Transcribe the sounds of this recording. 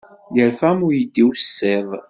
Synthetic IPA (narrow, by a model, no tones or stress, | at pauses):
jəɾfæmʊɾjid̪ːiwsːeðˤ